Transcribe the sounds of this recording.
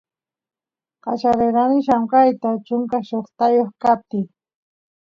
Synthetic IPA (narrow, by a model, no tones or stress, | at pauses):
qat͡ʃaɾeɾanɪʃamkajt̪at͡ʃʊŋkaʃoχt̪ajoχkap̚t̪ɪ